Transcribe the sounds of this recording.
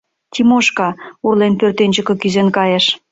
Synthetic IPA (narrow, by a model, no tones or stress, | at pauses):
t̪ʲimoʃkɑurlenpørt̪enʲd͡ʑə̆kɤ̆kyzenkɑjeʃ